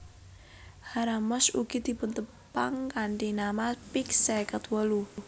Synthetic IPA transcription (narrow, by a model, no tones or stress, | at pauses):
haɾamɔsuɡ̥id̪̥i̤pʊnt̪ə | paŋkaɳɖinamapiksɛkət̪wəlu